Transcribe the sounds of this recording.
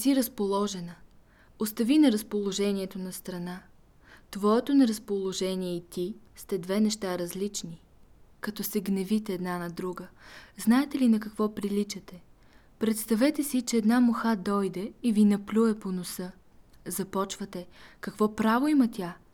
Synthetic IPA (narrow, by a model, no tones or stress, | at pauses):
siɾɐspolˠɔʒɛnə | ost̪ɐvinɐɾɐspolˠoʒɛniɛt̪onɐst̪ɾɐna | t̪vɔɛt̪onɛɾɐspolˠoʒɛniɛit̪ist̪ɛd̪vɛnɛʃt̪aɾɐzlit͡ʃni | kɐt̪ɔsɛɡnɛvit̪ɛːd̪nanɐd̪ɾuɡəznaɛt̪ɛlinɐkɐkvɔpɾilit͡ʃɐt̪ɛ | pɾɛt̪st̪ɐvɛt̪ɛsit͡ʃɛːd̪namoxad̪ɔjd̪ɛivinɐplʲuɛponosɤ | zɐpɔt͡ʃvət̪ɛkɐkvɔpɾavoimɐt̪ʲja